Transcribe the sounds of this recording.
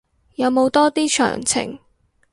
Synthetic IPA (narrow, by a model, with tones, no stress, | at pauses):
jɐ˨˧wmo˨˧wt̪ɔː˥t̪iː˥t͡ʃʰœ̰ː˨˩ŋt͡sʰɪ̰˨˩ŋ